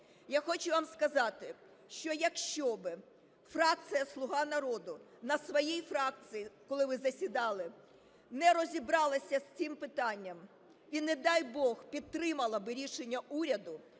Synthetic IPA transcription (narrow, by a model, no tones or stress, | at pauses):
jaxɔt͡ʃʊʋɑmskɐzɑt̪ɪ | ʃt͡ʃɔjɐkʃt͡ʃɔbɪ | frɑk̚t̪sɨjɐslˠʊɦɑnɐɾɔd̪ʊnɐsʋɔjijfɾɑk̪̚sɨjikɔlˠɪʋɪzɐsʲid̪ɑlˠɪ | nɛɾɔzʲibɾɑlˠɐsʲɐsʲt͡s̪ʲɪmpɪt̪ɑnʲːɐm | ʋʲined̪ɑjbɔxpʲid̪̚t̪ɾɪmɐlˠɐbɪɾʲiʃenʲːɐuɾʲɐd̪ʊ